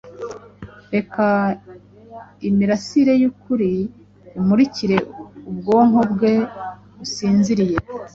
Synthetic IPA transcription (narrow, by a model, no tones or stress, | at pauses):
ɾe̞ka | imiɾasiɾe̞jukuɾi | umuɾiciɾe̞ub̚ɡo̞ːŋhobɡe̞ | busiːnziɾije̞